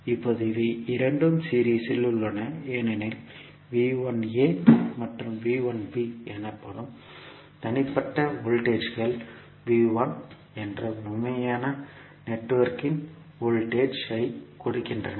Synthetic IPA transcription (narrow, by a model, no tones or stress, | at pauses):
ɪpːoːðɯɪʋɐɪɾɐɳɖɯmsiːɾiːsɪlɯɭːɐnɐeːnɛnɪl | ʋiːʋɐneːmɐʈrɯmʋiːʋɐnbiɛnɐpːɐɽɯm | t̪ɐnɪpːɐʈːɐʋʊɭʈeːt͡ʃɣɐɭ | ʋiːʋɐn | ɛndrɐmʊmːɐjaːnɐ | nɛʈːʋɐɾkɪn | ɔɭʈeːt͡ʃɐɪkɔɽɯkːɪndrɐnɐ